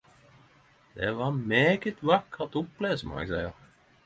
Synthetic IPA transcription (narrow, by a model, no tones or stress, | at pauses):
d̪̥ɛʋɑːmeːɡət̪ʋɑkːɑt̪ʊpleːsəmɔ̰ɛ̰ɡsæɪəɾ